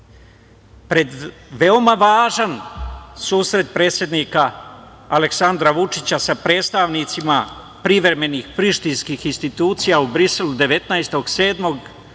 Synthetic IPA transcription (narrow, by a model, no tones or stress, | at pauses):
pɾe̞d̪ | ʋeo̞maʋaːʒansuːsɾe̞t̪̚pɾe̞ːt̪sje̞d̪nikaː | le̞ksand̪ɾaʋut͡ʂit͡ɕasapɾe̞ːt̪st̪aʋnit̪sima | pɾiʋɾe̞me̞nixpɾiʃt̪inskixinst̪it̪uːt̪sijaubɾise̞lud̪e̞ʋe̞t̪naest̪o̞ɡse̞ːd̪mo̞ɡ